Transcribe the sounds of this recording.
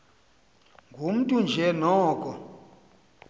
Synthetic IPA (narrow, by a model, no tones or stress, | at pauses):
ŋɡʱum̩tʼund͡ʒʱɛnɔːkʼɔ